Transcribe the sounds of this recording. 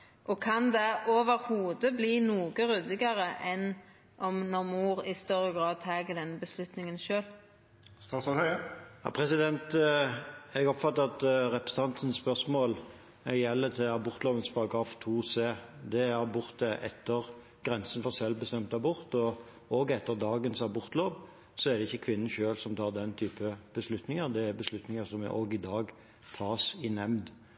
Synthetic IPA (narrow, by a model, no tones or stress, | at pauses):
ʔɔkʰɑnd̪ɛoːʋəɾhuːd̪əbliːnuːɡəɾʉd̪ɪɡɑɾəʔɛn | ʔɔmnɔʁmuːʁɪst̪ɔɾəɡɾɑːd̪̚t̪ʰɑːɡəd̪ɛnːbəslʉt̪nɪŋənʃøːl | st̪ɑːsɔœjɑ̰pʰɾɛsɪd̪ɛnt̪ | ɛɡɔpfɑt̪ːəɑt̪ʁɛpɾsət̪ɑnsən̩spœʁsmoːl | jɛlːət̪ʰɪlɑbʊɾt̪loːʋənspʰɑɾɑɡɾɑːft̪ʰuːseːd̪ɛhɑbʊɾt̪əʔɛ̰t̪ːəʁ | ɡ̥ʁɛnsən̩fɔɾsɛlbəst̪ɛmt̪ɑbʊɾt̪ɔ | oːɡɛt̪ːəɾd̪ɑːɡənsɑbʊɾt̪loːʋ | sɔɛɾd̪ɛɪçːəkʰʋɪnːən̩ʃøːlsɔmt̪ʰɑːʁd̪ɛnt̪ʰyːpəb̥əslʉt̪nɪŋəɾd̪ɛæɾbəslʉt̪nɪŋəsɔmɛ̰ʔoːɡɪd̪ɑːɡ | t̪ʰɑːsɪnɛmd̪